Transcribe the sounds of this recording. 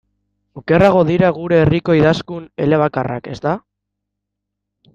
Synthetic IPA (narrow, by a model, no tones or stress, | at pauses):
oke̞raɣ̞o̞ðiɾaɣ̞uɾe̞ːriko̞iðaskune̞̰le̞β̞akara̰ke̞st̪a